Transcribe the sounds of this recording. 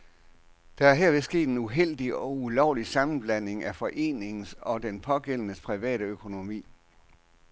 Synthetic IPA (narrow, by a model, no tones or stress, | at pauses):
d̥ɑ̈æɐɦɛɐ̰ʋe̝sɡ̥e̝̰ːd̥e̝nuɦel̰d̥iɒ̽ulɒʊlisɑ̈mn̩b̥læn̰e̝ŋʔæfɒ̽ʔe̝̰ːne̝ŋn̩sɒ̽d̥enpʰɒ̽ɡ̥el̰nəspʰʁiʋɛ̰ːɾəøkʰo̝no̝mḭː